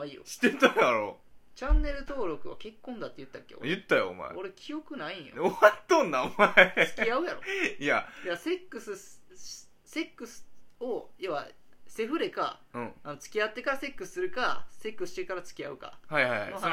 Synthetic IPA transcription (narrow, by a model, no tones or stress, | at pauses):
aijo̰ɕi̥t̪et̪ãaɾo̰ | t͡ɕãnːe̞ɾɯ̟t̪o̞ːɾo̞kɯ̟βa̰ke̞kːõ̞nd̪at̪ːejɯ̟t̪ːakːeo̰jɯ̟t̪ːajo̰o̰ma̰ḛoɾe̞kʲʰijo̞kɯ̟naĩjoat̪ːõnːaomaesɨ̥ijaɯ̟jaɾoijajase̞kːɯ̟sɨ̥ | se̞kːɯsɨ̥ojoβa̰ | se̞ɸɯ̟ɾe̞ka̰ | ɯ̃anot͡sɨ̥kʲiat̪ːe̞kaɾase̞kːɯsɨ̥sɨɾɯ̟kase̞kːɯsɕi̥t̪e̞kaɾat͡sɨ̥kʲiaɯ̟ka̰haihajha̰noa